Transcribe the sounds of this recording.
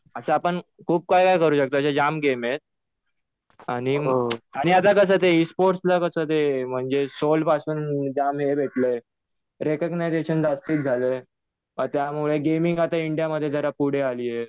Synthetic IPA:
əsəapəɳkʰuːb̚kajkajkəɾuːɕək̚t̪oaəɕad͡ʑamɡemet̪̚ | aɽ̃iɦaɽ̃iat̪̬akəs̬əːt̪eispoɾʈslakəsət̪em̤əɳd͡zesolpasuːnd͡ʑamɦebʱeʈlə | ɾekəɡnajdeɕənd͡zast̪iːt̪̚d͡zʱale | ət̪jamuɭeɡemiŋɡat̪aiɳɖijaməd̪ʱːjed͡z̪ʱəɾapuɽ̤ealiːje

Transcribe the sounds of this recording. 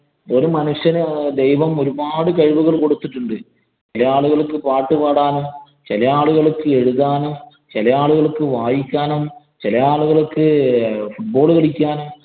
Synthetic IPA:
oɾumɐnuɕjɐnd̪ejʋɐmo̞ɾubaːɽɨkɐɻʋuɣɐɭko̞ɽut̪ːiʈːuɳɖɨ | t͡ɕt͡ɕilɐjaːɭuɣɐɭkːɨpaːʈːɨkaːɽaːnum | t͡ɕelɐjaːɭuɣɐɭkːɨeɻuðaːnum | t͡ɕelɐjaːɭuɣɐɭkːɨʋaːjikʲːaːnum | t͡ɕelɐjaːɭuɣɐɭkːɨfuʈ̚bo̞ːɭkɐɽikʲːaːnum

